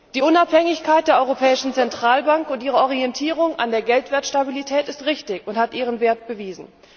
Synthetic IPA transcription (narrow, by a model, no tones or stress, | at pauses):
d̥iːʔʊnaphɛŋɪçkʰaɪt̚d̥eːɐɔʏʁopʰɛːɪʃn̩t͡sɛntʁ̥aːlbaŋkʊntʔiːʁəɔʁ̞iɛntʰiːʁ̞ʊŋa̰ndeːɐɡɛltv̥eːɐtʃtabilitʰɛːtɪstʁɪçtɪçʊnthatʔiːʁənveːɐt̚b̥əviːzn̩